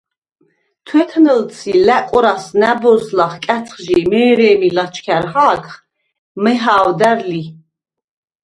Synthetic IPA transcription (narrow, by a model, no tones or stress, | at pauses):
t̪ʰwɛt̪ʰnəlsʰilækʼɔɾasnæbɔslaχkʼæt̪t͡s̪ʰχʒimɛːɾɛːmilat͡ʃʰkʰæɾχaːkχ | mɛɦaːwd̪æɾli